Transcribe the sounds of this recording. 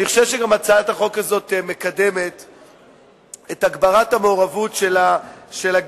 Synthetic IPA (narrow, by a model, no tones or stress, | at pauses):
niχoʃevʃeɡamat͡saataχo̞kazo̞tme̞kade̞me̞t | etaɡbaʁathameoʁavutʃelaʃelaɡ